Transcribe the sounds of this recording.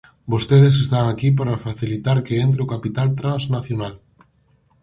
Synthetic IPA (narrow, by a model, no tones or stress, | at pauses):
bost̪eð̞es̬est̪aŋakip̬aɾafaθilit̪aɾkeent̪̬ɾeokapit̪alt̪ɾãnznaθjonal